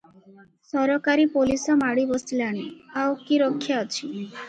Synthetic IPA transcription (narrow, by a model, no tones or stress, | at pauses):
sɔɾɔkaɾipolisɔmaɽibɔsilaɽ̃iawkiɾɔkʰːjaɔt͡ʃʰi